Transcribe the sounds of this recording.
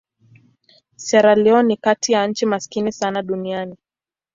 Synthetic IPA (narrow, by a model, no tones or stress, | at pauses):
sɛɾalɛɔnikatijan̩t͡ʃimaskinisanaɗuniani